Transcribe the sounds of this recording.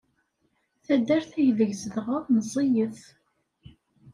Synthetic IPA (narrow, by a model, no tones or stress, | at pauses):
θæd̪ːæɾθæjðəʝzəðʁəðnəzˤːijəθ